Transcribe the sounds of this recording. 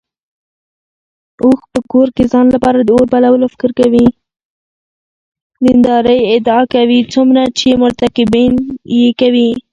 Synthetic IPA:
oxpəkoɾkezɑnlapɑɾad̪əoɾbalawəlofɪ̥kəɾkawi | d̪ɪnd̪ɑɾəjɪd̪ɑkawit͡sumɾat͡ʃemʊɾt̪akɪbinjekawi

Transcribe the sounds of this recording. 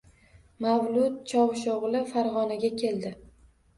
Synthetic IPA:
mavlˠʊt̪̚t͡ʃʰɒwʃoʁlˠɪfaɾʁɒnaɡʲakʲʰe̞ld̪ɪ

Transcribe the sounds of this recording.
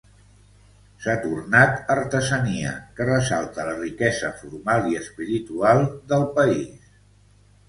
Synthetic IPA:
sat̪urnat̪əɾt̪əzəniə̰kərəsalˠt̪ələrikɛzəfuɾmalˠiəspiɾit̪ualˠd̪əlˠpəis

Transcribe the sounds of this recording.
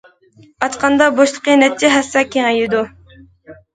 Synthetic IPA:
ɑt̪qʰɑnd̪ɑboʃlˠəqənɛt͡ʃʰːɛɦæsːɑkʲʰeŋɛjɪd̪u

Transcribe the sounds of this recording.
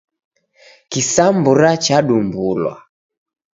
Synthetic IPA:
kisambuɾat͡ʃaɗumbulwa̰

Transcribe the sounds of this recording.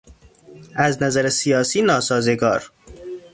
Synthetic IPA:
æznæzæɾesijɒːsiːnɒːsɒːzeɡɒ̰ːɾ

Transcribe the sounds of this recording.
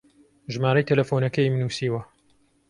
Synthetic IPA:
ʒɨmaːɾɐjt̪ʰɐlɐfoːnɐkɐjmnuːsiːwɐ

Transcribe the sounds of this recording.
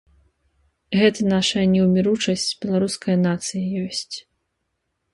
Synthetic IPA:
ɣɛt̪ɐnaʂɐjɐnʲɛwmʲiɾut͡ʂɐsʲt͡sʲbʲɛlˠaɾuskʰɐjɐnat̪sɨjɐjɔsʲt͡sʲ

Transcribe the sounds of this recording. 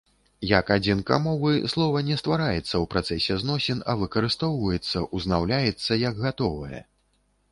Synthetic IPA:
jakad͡zʲinka̰mɔvɨslˠɔvɐnʲɛst̪vaɾajɛt̪sːɐwpɾat̪sɛsʲɛznɔsʲɛnɐvɨkɐɾɨst̪ɔwvɐjɛt̪sːɐʔuznawlʲajɛt̪sːɐjɐɡɣat̪ɔvɐjɐ̰

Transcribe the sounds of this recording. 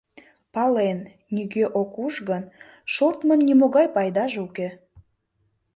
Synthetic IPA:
pɑlenː | iɡeʔokuʒɣən | ʃort̪mənːimoɣɑjpɑjd̪ɑʒuke

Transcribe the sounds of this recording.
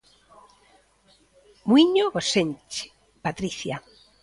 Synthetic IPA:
mwiɲoɣosent͡ʃe̥ | pat̪ɾiθja

